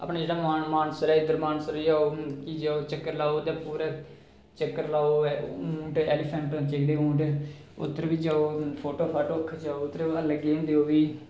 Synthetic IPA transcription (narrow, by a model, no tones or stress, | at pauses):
a̰ːpnãːd͡ʒeːɽaːaːmaːnsəɾɛːɪd̪əɾmaːnsəɾd͡ʒaːoːkid͡ʒeːoːt͡ʃəkːəɾlaːoːt̪ẽːpuːɾaː | t͡ʃəkːəɾlaːoːũːʈɛːlɪpʰəɳʈt͡ʃeɡɽeːũːɳʈː | ʊ̰t̪ːəɾʋiːd͡ʒaːoːpʰoːʈoːpʰaːʈoːkʰːd͡ʒaːoːʊt̪ːəɾələɡeːõnd̪eːoːʋiː